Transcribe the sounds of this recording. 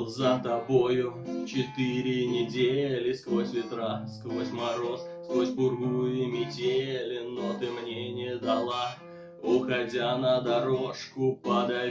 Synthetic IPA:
zət̪ɐbojʊt͡ɕɪt̪ɨɾʲɪnʲɪdʲelʲɪskvosʲvʲɪt̪ɾaskvosʲmɐɾo̞sskvosʲbʊrɡujʊmʲɪdʲelʲɪnot̪ɨmnʲenʲɪjəd̪ɐlˠa | ʊxɐdʲanəd̪ɐɾoʂkʊpəd̪ɐ

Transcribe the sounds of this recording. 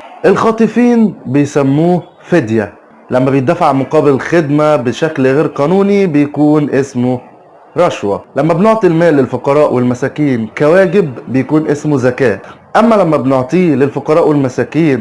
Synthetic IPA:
ʔelxɑːt̪ˤɨfiːnbejsæmːuː | fed̪jæ | læmːæbejd̪ːæfaʕmoqɑːbɪlxed̪mæbeʃæklɣeːɾqɑːnuːnibejækuːnʔesmo | ɾˤɑʃwælæmːæbnoʕt̪ˤilmæːlːɪlfoqɑɾˤɑːʔwelmæsæːkiːnkæwæːɡɪbːejækuːnʔesmuzækæːt̪ʔæmːælæmːæbnoʕt̪ˤiːlelfoqɑɾˤɑːʔwelmæsæːkiːn

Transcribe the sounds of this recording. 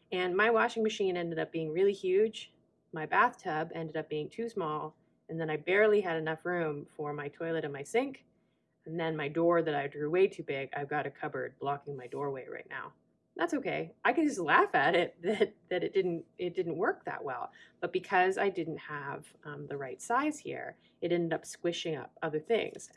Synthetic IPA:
ɨ̃nmaɪwɑʃɪ̃ŋmɨʃĩnɛ̃ndɨɾʌp̚b̥iɪ̃ŋɹɪlˠihjʉ̥d͡ʒ̥ | maɪbæθtʰʌbɛ̃ndɨɾʌp̚b̥iɪ̃ŋtʰʉsmɔlˠ | ɨ̃nðɨ̃ñaɪbɛɹlˠiɨɾɨnʌfɹʉ̃ɱfə˞maɪtʰɔɪlˠɨɾɨ̃nmaɪsɪ̃ŋk | nðɨ̃nmaɪdɔɹðɨɾaɪdɹʉweɪtʰʉbɪɡa̰ɪvɡɑɾɨkʰʌbə̰˞d̚blɑkɪ̃ŋmaɪdɔɹweɪɹa̰ɪtⁿna̰ʊ | ðætsoʊkʰeɪʔaɪkɨnd͡ʒʌs̬tˡlæfɨɾɪt̪̚ðɨt̪̚ðɨɾɨt̚d̥ɪdⁿn̩tɪt̚d̥ɪdⁿn̩ʔwɜ˞k̚ðə̰ʔ̚wɛ̰lˠb̥ʌt̚b̥ɨkʰʌza̰ɪdɪdⁿn̩t̚həv̥ | ʌ̃mðəɹaɪtsaɪz̥hḭɹ | ɨɾɛ̃ndɨɾʌpskwɪʃɪ̃ŋʌ̰p̚ʌðə˞θɪ̰̃ŋz̥

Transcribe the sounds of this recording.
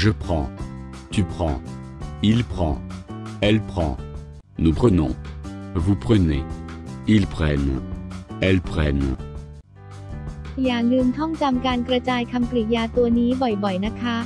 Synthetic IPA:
ʒəpχɑ̃ | t̪ypχɑ̰̃ | ilpχɑ̰̃ɛlpχɑ̰̃ | nupχənɔ̰̃vupχənḛ | ilpχɛn | ɛlpχɛn | jaːŋːɯnt̪ʰɔŋt͡ɕamkaːnkɾat͡ɕaːjkʰamklijaːt̪uɐniːbɔjbɔjnakʰa

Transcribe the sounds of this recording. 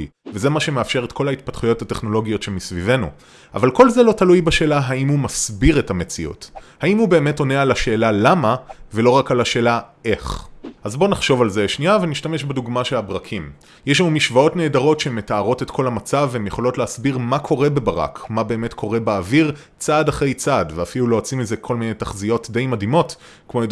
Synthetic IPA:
veze̞maʃe̞meafʃe̞ʁetkʰo̞lait̚patχujo̞thate̞χno̞lo̞ɡijo̞tʃemisvive̞nṵ | a̰valko̞lzelo̞talujbaʃe̞ːlaɦaimhumasbiʁetamet͡siṵthaimhube̞ːme̞to̞nealaʃe̞ːlalamave̞lo̞ʁakalaʃe̞ːlae̞χʔazbo̞naχʃo̞valzeʃniaveniʃtame̞ʃbeduɡmaʃeabʁɐkʰim | jeʃ̬lamumiʃvao̞tne̞ːdaʁo̞tʃeemetaːʁo̞tetkʰo̞lamat͡savhemjeχo̞lo̞tleasbiʁmakʰo̞ʁe̞bebaʁa̰kmabe̞ːmetkʰo̞ʁe̞baaːviʁ | t͡sadaχʁe̞jt͡sadveafilulo̞at͡simizekʰo̞lminejtaχzio̞tde̞jmadimo̞t | kmojod

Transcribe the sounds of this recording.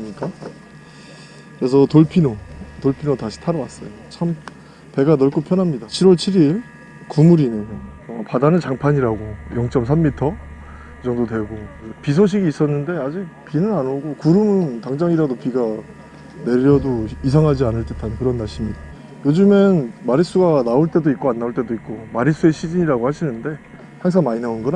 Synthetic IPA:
mɲik͈a | kɯɾe̞s̬ʰʌtoɭpʰinotoɭpʰinotaɕʰi̥tʰaɾʌwas͈ʌjot͡ɕʰam | pe̞ɡanʌɭk͈opʰjʌnɦamɲidat͡ɕʰiɾwʌɭt͡ɕʰiɾiɭ | kumuɾineʌpadanɯnt͡ɕaŋpʰaɲiɾaɡojʌŋt͡ɕ͈ʌms̬ʰamːitʰʌ | kit͡ɕʌŋdodwe̞ɡoksʰʌpis̬ʰoɕ̬ʰiɡiːs͈ʌnːɯnde̞ad͡ʑik̚pinɯnanoɡokuɾɯmɯntaŋd͡ʑaŋiɾadopiɡa | ne̞ɾʌdoisʰaŋɦad͡ʑianɯɭt͈et͈ʰankɯɾʌnːaɕ͈ʰimɲida | jod͡ʑumenmaɾis͈uɡanaoɭt͈e̞doik͈̚oanːaoɭt͈e̞doik̚k͈omaɾis͈ue̞ɕʰid͡ʑiɲiɾaɡohaɕʰinɯnde̞ | haŋs̬ʰaŋmaɲinaunɡʌn

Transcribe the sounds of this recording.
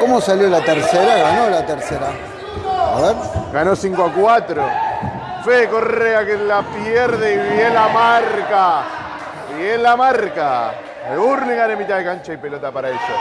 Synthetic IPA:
komosaljolat̪eɾseɾaɣanolat̪eɾseɾa | a̰βeɾɡanosiŋkoakwat̪ɾo | fekoreakelapjeɾðeiβjelamarka | ielamaɾka | euɾniŋɡanemit̪aðekant͡ʃaijpelot̪apaɾaeso

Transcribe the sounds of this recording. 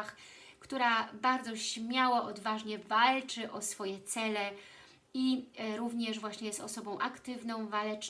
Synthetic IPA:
x | kt̪uɾabaɾd̪zɔɕmʲjawaʔɔd̪vaʐɲɛvalt͡ʂɘʔɔsfɔjɛt̪sɛlɛ | iɾuvɲɛʐvwaɕɲɛjɛst̪ɔsɔbɔ̃w̃ʔakt̪ɘvnɔ̃w̃valɛt͡ʂ

